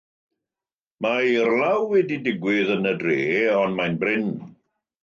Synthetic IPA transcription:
mairlawɛdidɪɡwɪðənədreːɔnmajnbrɪn

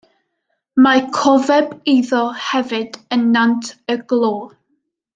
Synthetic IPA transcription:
makʰɔvɛbiðɔhɛvɨd̥ənːantʰəɡlˠoː

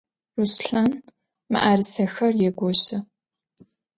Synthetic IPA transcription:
rusɬaːn | mɨ̰ʔaːrɨsɐxɐrjɛɡʷɔɕɪ

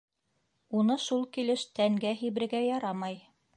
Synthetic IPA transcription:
unɤʃulˠkilɘʃt̪æŋɡæɦiβɘ̆ɾɘ̆ɡæjɑɾɑmɑj

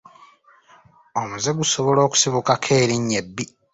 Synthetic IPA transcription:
omuzeɡuso̞βo̞lo̞ːku̥siβukakʰe̞ːɾiɲːe̞bːi

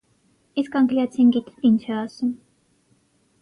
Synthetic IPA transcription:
iskɑŋkliɑt͡sʰinɡit̪t̪int͡ʃʰɛɑsum

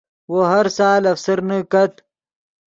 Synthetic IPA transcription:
woɦɐɾsaːlɐfsɐɾnəkɐt̪

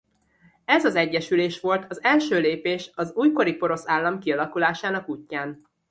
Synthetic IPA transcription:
ɛzɒzɛɟːɛʃyleːʃʋo̞lt̪ʰɒzɛlʃøːleːpeːʃɒzuːjko̞ɾipo̞ɾo̞saːlːɒmkiɒlɒkulaːʃaːnɒkuːcːaːn

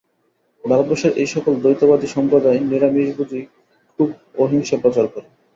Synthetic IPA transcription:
b̪alboʃeɾejʃɔkold̪ojt̪obad̪iʃɔmpɾod̪aeneɾamiʃbud͡ʑ̪i | kʰub | oɦiŋʃepɾɔt͡ɕaɾkɔɾe

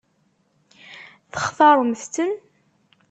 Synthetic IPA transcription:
θəχθɑɾˤmθt̪ən

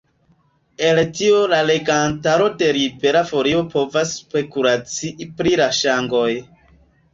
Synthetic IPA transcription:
e̞ltio̞lale̞ɡantaɾo̞de̞ɾibe̞ɾafo̞ɾio̞po̞vaspe̞kuɾat͡siʔipɾilaʃaŋɡo̞j

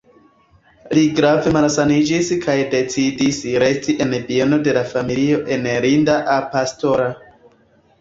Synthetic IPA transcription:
liɡɾave̞malsanid͡ʒiskʰajde̞t͡sidisɾe̞stiʔe̞npiono̞de̞lafamilio̞ʔe̞nɾindaʔapasto̞ɾa

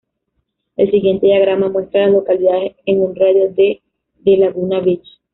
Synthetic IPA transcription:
e̞lsiɣje̞nt̪e̞ðjaɣɾamamwe̞st̪ɾalaslo̞kaliðaðeseŋunraðjoðe | ðelaɣunaβit͡ʃ

